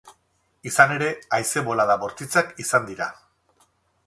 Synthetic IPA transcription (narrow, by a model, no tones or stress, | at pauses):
isane̞ɾe̞ajse̞βo̞laðaβo̞ɾt̪it͡sakisand̪iɾa